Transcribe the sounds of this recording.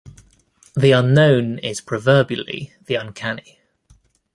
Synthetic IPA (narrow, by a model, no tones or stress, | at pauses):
ðiʌ̃nːə̃ʊ̃nɪz̥pʰɹ̥əvɜːbjəlḭðiʌ̃nkʰani